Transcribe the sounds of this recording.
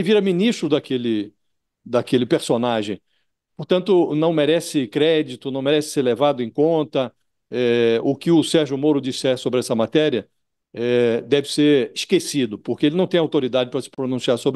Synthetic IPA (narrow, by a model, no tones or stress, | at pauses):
ɪviɾɐmĩnist̪ɾʊd̪akelɪ | d̪akelɪpeɾsonaʒẽj̃ | poɾt̪ɐ̃nt̪ʊnɐ̃w̃meɾɛsɪkɾɛd͡ʒit̪ʊnɐ̃w̃meɾɛsɪ̥seɾlevad̪ʊẽkõnt̪ɐ | ɛʊkɪʊsɛɾʒʊmoɾʊd͡ʒisɛɾsobɾɪɛsɐmat̪ɛɾiɐ | ɛd̪ɛvɪseɾɪʃkesid̪ʊpoɾkeelɪnɐ̃w̃t̪ẽj̃awt̪oɾid̪ad͡ʒɪpɾɐsɪ̥pɾonũsiaɾsobɾ